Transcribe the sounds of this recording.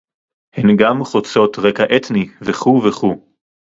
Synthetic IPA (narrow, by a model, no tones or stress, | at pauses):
henɡamχot͡so̞tʁekaʔet̪niveχuveχu